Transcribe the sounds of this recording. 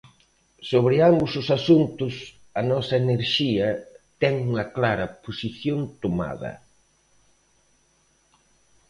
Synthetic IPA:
soβɾɪambʊsʊsasunt̪ʊs | ɐnɔsɐeneɾʃiɐt̪ɛŋuŋɐklaɾɐposiθjont̪oma̰ðɐ̰

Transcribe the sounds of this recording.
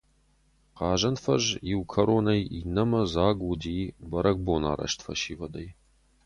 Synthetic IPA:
qɑːʒɐnfɐ̰ʒjiwkʰɐɾoːnɐjinɐmɐzaːɡudiːbɐɾɐɡ̚boːna̰ːɾɐ̰ʃtfɐ̰ʃiːvɐd̪ɐj

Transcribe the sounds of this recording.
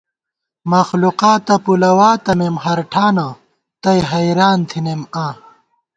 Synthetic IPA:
mɐxluqaːt̪ɐpulɐwaːt̪ɐmemhɐɾʈʰaːnɐ | t̪ɐjɦɐjɾaːnt̪ʰinemãː

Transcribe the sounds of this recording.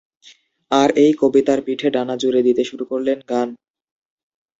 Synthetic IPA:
aɾejkobit̪aɾpiʈʰeɖanad͡ʑuɾed̪it̪eʃuɾukoɾlenɡan

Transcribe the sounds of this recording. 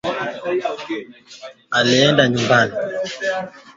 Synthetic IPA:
alɛɛndaɲumbani

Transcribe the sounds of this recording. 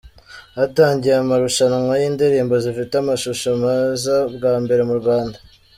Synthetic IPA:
ataːɲɟijamaɾuʃanmwajiːndeɾiːmbozifiteamaʃuʃomazabɡaːmbe̞ɾe̞muɾɡwaːnda

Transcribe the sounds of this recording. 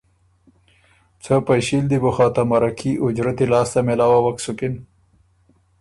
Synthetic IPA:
t͡sʰəpajɕild̪ibuxɑːt̪amaɾakʰiʔʊd͡ʒɾat̪ilɑːst̪amelɑːwawaksʊkɪn

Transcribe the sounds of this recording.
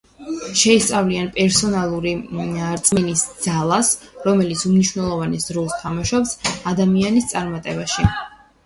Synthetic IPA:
ʃɛist̪sʼavlianpʼɛɾsɔnalˠuɾiaɾt̪sʼmɛnisd̪z̥alˠasɾɔmɛlit̪sʰumniʃwnɛlˠɔvanɛsd̪ɾɔst̪ʰamaʃɔpsad̪amianist̪sʼaɾmat̪ʼɛbaʃi

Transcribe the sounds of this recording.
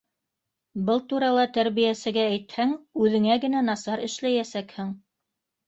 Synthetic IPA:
bɤlˠt̪uɾɑlˠɑt̪æɾβijæsɘ̆ɡæːjt̪hæŋʉðɘ̆ŋæɡɘ̆nænɑsɑɾɘ̆ʃlæjæsækhɘŋ

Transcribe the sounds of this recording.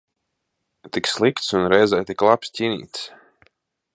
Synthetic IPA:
t̪ikslˠikt̪sunɾɛjzɛjt̪iklˠapst̪ʲiːnḭːt̪s

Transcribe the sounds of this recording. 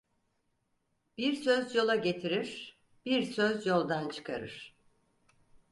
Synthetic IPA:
b̥iɾsø̞zjo̞lˠaɟe̞t̪ʰiɾiɾ̥ | b̥iɾsøzjo̞lˠd̪ant͡ʃʰɯ̥kʰa̰ɾɯ̰ɾ̥

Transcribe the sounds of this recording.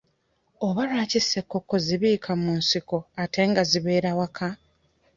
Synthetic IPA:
oβalaːcise̞kːo̞kːo̞ziβiːkʰamunsiko̞atʰe̞ŋɡaziβe̞ːɾawakʰa

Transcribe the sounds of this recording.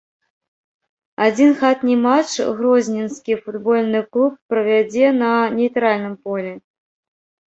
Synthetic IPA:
ad͡zʲinxat̪nʲimat͡ʂɣɾɔzʲnʲinskʲifud̪bɔlʲnɨklˠup̚ːɾɐvʲad͡zʲɛnɐnʲejt̪ɾalʲnɨmpɔlʲɛ

